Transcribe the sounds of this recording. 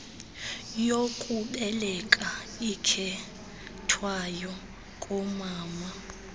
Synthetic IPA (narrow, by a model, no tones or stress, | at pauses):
jokʼuɓɛlɛkʼaikʰɛ | tʰwajɔ | kʼɔmaːma